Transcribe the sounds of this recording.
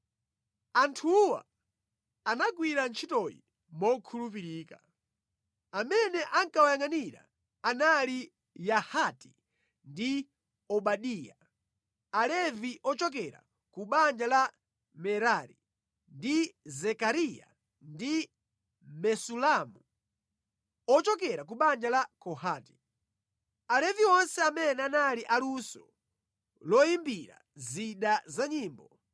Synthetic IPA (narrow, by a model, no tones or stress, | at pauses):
antʰuwa̰ | anak̬wiɾant͡ʃʰitɔjḭ | mɔkʰulup̬iɾiːka | amɛnɛʔaŋkawajaŋaniɾa̰ | anali | jahati̥ | ndi | ɔɓaɗiːja | alɛviʔɔt͡ʃɔk̬ɛɾa̰ | kuɓand͡ʒala | mɛɾaɾḭ | ndizɛkaɾija̰ | ndi | mɛsulamu | ɔt͡ʃɔkɛɾak̬uɓand͡ʒalakɔhaːti̥ | alɛviɔnsɛamɛnɛanaliʔalusɔ̰ | lɔimbiɾa̰ | ziɗazaɲiːmbɔ